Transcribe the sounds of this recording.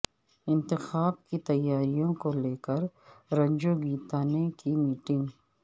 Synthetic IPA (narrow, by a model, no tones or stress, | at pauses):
ɪ̃nt̪ɪxaːb̚kit̪ɐjːaːɾijõkoleːkəɾɾɐ̃ɲd͡ʒoɡiːt̪aːnekimiːʈɪ̃ŋɡ